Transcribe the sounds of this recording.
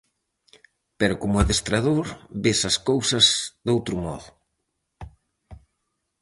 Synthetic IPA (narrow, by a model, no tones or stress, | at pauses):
peɾʊkomʊɛðest̪ɾaðoɾbesɐskowsɐzðowt̪ɾʊmɔ̰ðʊ